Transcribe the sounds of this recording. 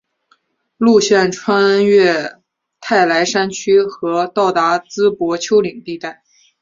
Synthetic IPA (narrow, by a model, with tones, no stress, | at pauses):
lu˥˧ɕjɛ˥˩nʈ͡ʂʰwa˥nɥɛ˥˩ | t̪ʰa˥˩ɪla˧˥ɪʂa˥nt͡ɕʰy˥xɤ˧˥t̪ɑ˥˩ʊt̪a˧˥t͡sɹ̩˥pwɔ˧˥t͡ɕʰjo˥ʊli˨˩ŋt̪i˥˧t̪a˥˩ɪ